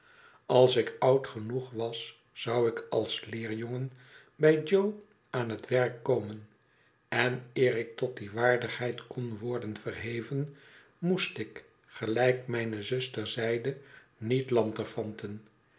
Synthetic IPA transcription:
ʔɑlˠsɪkʌwtχənuχʋɑsː | ɑwɪkʰɑlˠslɪːɹjoŋən | bɛjd͡ʒow | aːnɦətʋɛrkːowmən | ɛnɪːɾɪk̚tɔt̚diʋaːɹdəχɦɛjtkɔnʋɔɹdənvərɦejvən | mustɪk | χəlɛjkmɛjnəzɵstəɹzɛjdə | nitlɑntəfɑntən

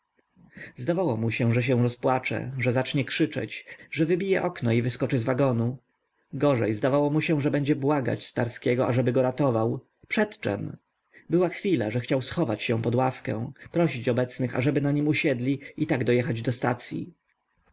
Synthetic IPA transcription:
zd̪avawɔmuɕɛ̃ʐɛɕ̬ɛ̃w̃ɾɔspwat͡ʂɛ̰ʐɛzat͡ʂɲɛkʂɘt͡ʂɛ̰t͡ɕʐɛvɘbʲijɛʔɔknɔivɘskɔt͡ʂɘzvaɡɔnu | ɡɔʐɛjzd̪avawɔmuɕɛ̃ʐɛbɛɲd͡ʑɛbwaɡa̰t͡ɕst̪aɾskʲɛɡɔaʐɛbɘɡɔɾat̪ɔvaw | pʂɛt̪t͡ʂɛ̰m | bɘwaxfʲila̰ʐɛxt͡ɕawsxɔvat͡ɕɕɛ̃pɔd̪wafkɛ̰̃w̃pɾɔɕit͡ɕɔbɛt̪snɘxa̰ʐɛbɘnaɲimuɕɛd̪lʲiit̪aɡd̪ɔjɛxad͡ʑd̪ɔst̪a̰t̪sʲjḭ

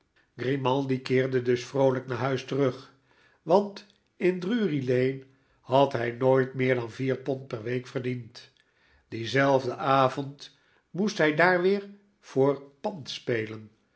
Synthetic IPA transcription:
ɡ̥rimɑlˠdikɪːɹdədɵsfrowləknaːɹɦœɥstərɵχ | ʋɑnt | ɪndryːrilejn | hɑtɦɛjnoːjtmɪːɹdɑnviːɹpɔnt̚pɛrʋejkfərdint | d̥izɛlˠvdəʔaːvɔnt | mustɦɛjdaːɹʋɪːɹ | v̥ʊːɹpɑntspejlən

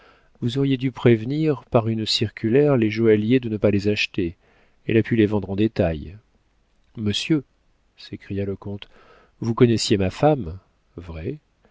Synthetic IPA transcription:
vuzɔʁjed̪ypχevniʁpaʁynsiʁkʲylɛʁleʒoaljed̪ənəpalezaʃt̪e | ɛ̰lapylevɑ̃d̪ʁɑ̃d̪et̪aj | məsjø | sekχijaləkɔ̃t̪ | vukɔnɛsjemafam | vʁɛ

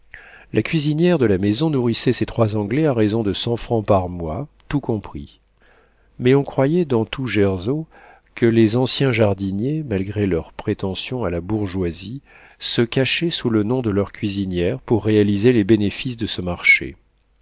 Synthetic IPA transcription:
lʔakʲɥizinjɛʁd̪əlamezɔ̃nuʁisɛset̪χwazɑ̃ɡlɛaʁezɔ̃d̪əsɑ̃fχɑ̃paʁmwat̪ukɔ̃pχi | mɛɔ̃kχwajɛd̪ɑ̃t̪ʰuʒɛʁzo | kəlezɑ̃sjɛ̃ʒaʁd̪injemalɡʁelœʁpχet̪ɑ̃sjɔ̃alabuʁʒwazi | səkaʃɛsulənɔ̃d̪əlœʁkʲɥizinjɛʁpuʁːealizelebenefisd̪əsəmaʁʃḛ

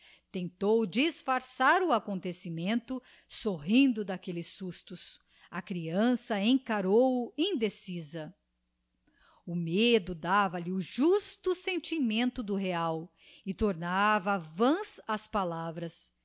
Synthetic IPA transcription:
t̪ẽnt̪owd͡ʒisfaɾsaɾʊakõnt̪esimẽnt̪ʊ | soɦĩnd̪ʊd̪akelɪsːust̪ʊs | ɐkɾiɐ̃sɐẽkaɾowʊĩd̪esizɐ | ʊmed̪ʊd̪avɐlɪuʒust̪ʊsẽnt͡ʃimẽnt̪ʊd̪ʊɦeaw | ɪt̪oɾnavɐvɐ̃sɐspalavɾɐs

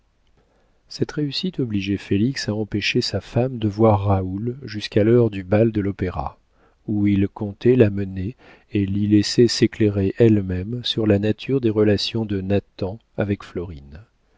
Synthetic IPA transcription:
sɛt̪ʁeysit̪ɔbliʒefeliksaɑ̃peʃesafamd̪əvwaʁːaulʒyskalœʁd̪ybald̪əlɔpeʁa̰ | uilkɔ̃t̪ɛlaməne | elilesɛsekleʁeʔɛlmɛmsyʁlanat̪ʰyʁd̪eʁəlasjɔ̃d̪ənat̪ɑ̃ | avɛkflɔʁin

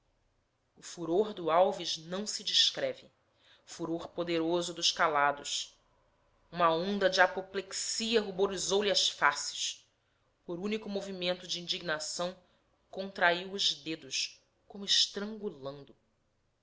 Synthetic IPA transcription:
ʊfuɾoɾd̪ʊawviʒnɐ̃w̃sɪd͡ʒiʃkɾɛvɪ | fuɾoɾpod̪eɾozʊd̪ʊʃkalad̪ʊʃ | ũmɐõnd̪ɐd͡ʒiapopleksiɐɦuboɾizowliɐʃfasɪ̥ʃ | poɾunikʊmovimẽnt̪ʊd͡ʒiĩnd͡ʒiɡ̚nasɐ̃w̃ | kõnt̪ɾaiwʊʒd̪ed̪ʊʃ | kõmʊɪʃt̪ɾɐ̃ŋɡulɐ̃nd̪ʊ

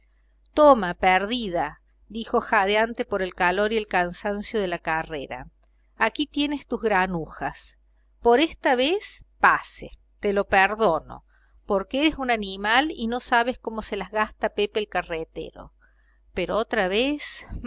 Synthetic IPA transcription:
t̪omapeɾðiða | d̪ixo̞xaðjant̪epo̞ɾe̞lkalo̞ɾie̞lkansansjoð̞elakareɾa̰ | akit̪je̞nest̪uzɣɾanuxas | po̞ɾest̪aβespasḛ | t̪elo̞peɾðo̞no̞̰ | poɾkeeɾesunanimalino̞saβ̞esko̞mo̞selazɣast̪apepeːlkaret̪ḛɾo̞̰ | peɾoot̪ɾaβes

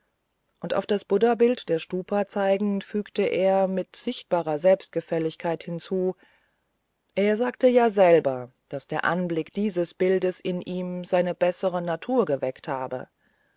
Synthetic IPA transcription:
ʔʊntʔa̰ʊfd̥asb̥ʊdɐbɪltd̥eːɐʃtuːpʰɐt͡saɪɡŋ̩fyːktəʔeːɐmɪtz̥ɪçt̚b̥aːʁɐzɛlpst̚ɡ̥əfɛlɪçkʰaɪthɪnt͡suː | ʔeːɐzaːktəjaːzɛlbɐd̥asd̥eːɐʔanblɪkd̥iːzəsb̥ɪldəsɪnʔiːmzaɪnəb̥ɛsəʁənatʰuːɐɡəvɛkthaːbə̰

